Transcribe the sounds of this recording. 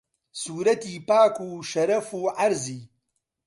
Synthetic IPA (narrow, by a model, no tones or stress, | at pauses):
suːɾɐt̪iːpaːkuːʃɐɾɐfuːʕaɾziː